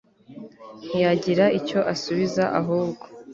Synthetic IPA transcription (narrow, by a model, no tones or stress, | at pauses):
n̥ijaɟiɾaʔico̞ʔasuβizaʔa̰ɦuːbɡo̞̥